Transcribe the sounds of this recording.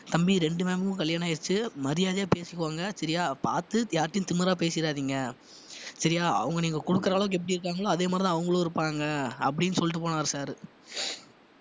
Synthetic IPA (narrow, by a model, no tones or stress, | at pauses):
t̪ɐmbiɾɛɳɖɯmeːmbɯkɯ̃kɐɭjaːnaːɪɾt͡ʃːɯmɐɾɪjaːðɐjaːpeːsɪkːʋaːŋɡɐsɐɾɪjaːpaːɾt̪ɯjaːɾɐʈːɪnt̪ɪmɪɾaːpeːsɪɪɾaːðiːŋɡɐ | sɐɾɪjaːɐ̰ʋɐŋɡɐniːŋɡɐkɔɽɯkːɐɾɐaːlɐʋɯk̬ːɛpːɐɽiɪɾɯkːaːŋɡɐɭoːɐðeːmaːd̪ɾt̪ãːɐʋɐŋɡɐɭoːɪɾɯpːaːŋɡɐɐp̬ːɐɽɪnːɯsɔlːɪʈːɯpoːnaːɾɯsaːɾɯ